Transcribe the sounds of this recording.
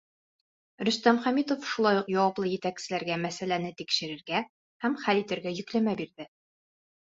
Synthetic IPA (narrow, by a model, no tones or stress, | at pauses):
ɾɵ̆st̪æmχæmit̪ofʃulˠɑjuqjɒwɑplˠɤjɘ̆t̪æksɘ̆læɾɡæmæsælænɘt̪ikʃɘ̆ɾɘ̆ɾɡæ | hæmχælit̪ɘ̆ɾɡæjɵ̆klæmæbiɾðɘ